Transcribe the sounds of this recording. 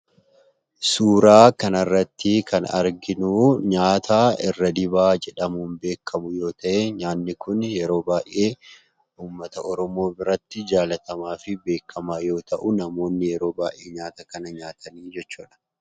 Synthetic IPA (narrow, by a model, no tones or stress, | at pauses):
suːɾaːkɐnɐrːɐt̪ːɪkʰɐnɐ̰ɾɡɪnuːɲaːt̪ʰaːɪrːɐd̪ɪbaːd͡ʒɛᶑɐmuːnbe̞ːkʰːɐmʊjo̞ːt̪ɐʔeɲaːnːɪkʊnjɛɾo̞ːbaːʔe̞ː | uːmːɐt̪ɐʔɔɾɔmo̞ːbɪɾɐt̪ːɪd͡ʒaːlɐt̪ɐmaːfɪbe̞ːkːɐmaːjo̞ːt̪ɐʔʊnɐmo̞ːnːɪjɛɾo̞ːbaːʔeːɲaːt̪ɐkɐnɐɲaːt̪ʰɐniːd͡ʒɛt͡ʃːuːᶑɐ̥